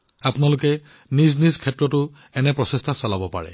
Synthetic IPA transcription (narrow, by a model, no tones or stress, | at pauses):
apʊnalʊkɛ | niznizkʰɛtɹɔtʊ | ɛnɛpɹɔsestʰasɔlabɔpa̰ɹɛ̰